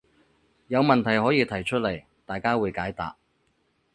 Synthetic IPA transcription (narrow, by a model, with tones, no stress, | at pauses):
jɐ˨˧wmɐ˨nt̪ʰɐ˨˩jhɔː˨˥jiː˨˧t̪ʰɐ˨˩jt͡ʃʰɵ˥t̚lɐ˨˩j | t̪aː˨jkaː˥wuː˨˧jkaː˨˥jt̪a̰ː˨p̚